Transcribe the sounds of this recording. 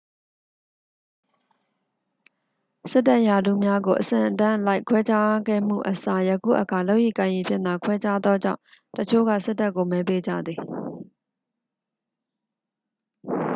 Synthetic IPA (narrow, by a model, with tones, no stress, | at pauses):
sɪ˦tːa˦ʔja˨d̪ṵ˦˨mja˦ɡo˨ʔəsɪ̰̃˨ʔətã˦˨ʔəla˦ɪkʰwɛ˦t͡ɕa˦ɡɛ̰˦˨m̥ṵ˦˨ʔəsa˨jə˨kṵ˦˨ʔəkʰa˨lo˦ʊʔjḭ˦˨kã˨ɪ̃ji˨pʰɪ̰̃˦˨nða˨kʰwɛ˦t͡ɕa˦d̪ðɔ˦d͡ʑã̰˦˨ʊ̃ | tət͡ɕʰo̰˦˨ɡä̰˦˨sɪ˦tːa˦kːo˨mɛ˨˦pe˦d͡ʑä̰˦˨d̪ði˨